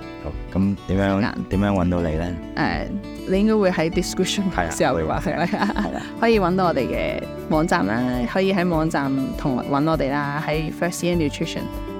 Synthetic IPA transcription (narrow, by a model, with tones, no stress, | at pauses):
o˨kɐ˨˦mt̪iː˨˥mjœː˨˥ŋa̰ː˧t̪iː˨˥mjœː˧˥ŋwɐ˨˥nt̪o˨˧wlḛ˨˧jlɛː˦˥ | ʔɛ̰ː˨ | le˨˧jɪ˥ŋkɔ˥wuː˧jhɐ˨˥jt̪i˨skɹɪ˥pʃʊ˨nɐ˨siː˨˩ɐ˨wwa̰ː˨˧sɛ̰˨˩lɛ˧˥a˨j̰ | hɔː˨˥jiː˧wɐ˨˥nt̪o˧˥ɔː˧e˨jkɛ̰ː˧ | mɔː˨˧˥ŋt͡saː˨mʔaː˧hɔː˨˥jiː˧ɦɐ˨˥jmɔː˨˧ŋt͡saː˨mt̪ʰʊ˨˩ŋ˨wɐ˨˥nɔː˨˧t̪e˨jlaː˥hɐ˨˥jfœː˥siː˥ɛ˥njuː˨tʰɹɪ˥ʃə̰˨˩n